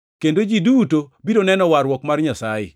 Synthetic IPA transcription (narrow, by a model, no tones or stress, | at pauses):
kendod͡ʒidutobidonɛnɔwaɾwɔkmarɲasajɪ̰